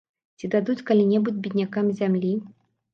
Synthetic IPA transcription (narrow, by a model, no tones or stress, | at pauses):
t͡sʲid̪ad̪ut͡sʲkalʲinʲɛbud͡zʲbʲid̪ʲnʲakamzʲamlʲi